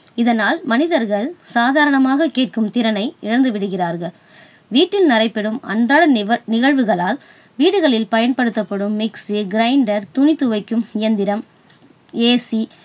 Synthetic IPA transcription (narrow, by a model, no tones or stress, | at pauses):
ɪðɐnaːlmɐnɪðɐɾɣɐɭsaːðaːɾɐɳɐmaːɣɐkːeːʈ̚kɯmt̪ɪɾɐnɐɪɪɻɐnd̪ɯʋɪɽɯɣɪraːɾɣɐɭ | ʋiːʈːɪlnɐrɐɪpːɛɽɯmɐ̰ɳdraːɭɐnɪɣɐɭʋɯɣɐɭaːl | ʋiːɽɯɣɐɭɪlpɐjɐnpɐɽɯt̪ːɐpːɐɽɯmːɪksiɡɪɾɐɪɳɖɐɾt̪ʊnɪt̪ːɯʋɐɪkːɯmɪjɐnd̪ɪɾɐm | eːsi